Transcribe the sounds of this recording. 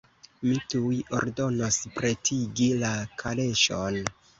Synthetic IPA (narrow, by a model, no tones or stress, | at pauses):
mituiʔo̞̰ɾdo̞no̞spɾe̞tʰiɡilakʰale̞ʃon